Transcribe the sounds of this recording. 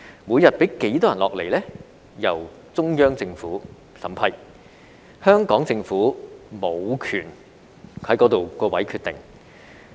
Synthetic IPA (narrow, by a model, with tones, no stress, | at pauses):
muː˨˧jɐ˨t̚pe˨˥jke˨˥jt̪ɔː˥jɐ˨˩nlɔː˨k̚le˨˩jlɛː˥ | jɐ̰˨˩w | t͡sʊ˥ŋjœː˥ŋt͡sɪ˧ŋfuː˨˥ | sɐ̰˨˩˥mpʰɐ˧j | hœː˥ŋkɔː˨˥ŋt͡sɪ˧ŋfuː˨˥mo˨˧wkʰyː˨˩n | hɐ˨˥jkɔː˨˥t̪o˨wkɔː˧wɐ˨˥jkʰyː˧t̪ɪ̰˨˩ŋ